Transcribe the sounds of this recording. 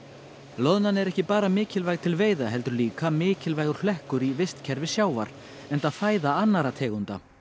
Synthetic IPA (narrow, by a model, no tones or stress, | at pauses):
lɔðnanɛɾɛhcɪpaːɾamɪːcɪlvajɣt̪ʰɪlveːjðaɦɛlt̪ʏɾliːkamɪːcɪlvajɣʏɾ̥flɛhkʏɾivɪst̪cʰɛɾvɪsjaːwva̰ɾ̥ | ɛnt̪aðfaːjðaanːaɾat̪ʰɛːɣunt̪a̰